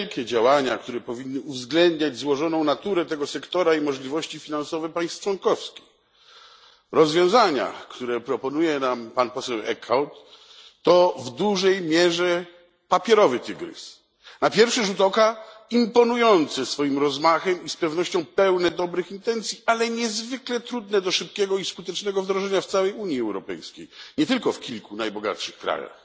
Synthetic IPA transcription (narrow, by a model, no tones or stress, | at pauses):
lkʲɛd͡ʑawaɲakt̪uɾɛpɔvʲinːɘuvzɡlɛnd̪ɲad͡ʑzwɔʐɔnɔ̃w̃nat̪uɾɛt̪ɛɡɔsɛkt̪ɔɾaimɔʐlʲivɔɕt͡ɕifʲinansɔvɛpaj̃st̪ft͡ʂwɔŋkɔfskʲix | ɾɔzvʲjɔ̃w̃zaɲa̰kt̪uɾɛpɾɔpɔnujɛnampanpɔsɛwɛ̰kawt̪ː | ɔvd̪uʐɛjmʲjɛʐɛ | papʲjɛɾɔvɘt̪ɨɡɾɘ̰s | napʲjɛɾfʂɛʐut̪ɔkaimpɔnujɔnt̪sɛsfɔjimɾɔzmaxɛmispɛvnɔɕt͡ɕɔ̃w̃pɛwnɛd̪ɔbɾɘxint̪ɛnt̪sʲjialɛɲɛzvɘklɛt̪ɾud̪nɛd̪ɔʂɘp̚kʲɛɡɔiskut̪ɛt͡ʂnɛɡɔvd̪ɾɔʐɛɲaft̪sawɛjuɲjiɛwɾɔpɛ̰jskʲḛjɲɛt̪ɘlkɔfkʲilkunajbɔɡa̰t̪ʂɘxkɾa̰ja̰x